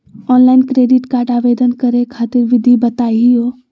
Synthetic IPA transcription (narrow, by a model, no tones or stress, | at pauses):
ɔːnlaːɪnkɾeːɖɪʈkaːɾɖaːʋeːd̪ənkɐɾekʰaːt̪ɪɾʋɪd̪ʱibɐt̪aːiijoː